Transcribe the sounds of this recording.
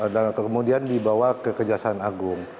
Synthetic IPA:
dakkəmudiandibawakəkəd͡ʒasanaɡʊŋ

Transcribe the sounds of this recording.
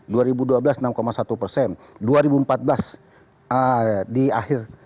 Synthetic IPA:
duaɾibuduabəlasnamkomasat̪upərsɛn | duaɾibuəmpat̪̚bəlas | ədiahɪr

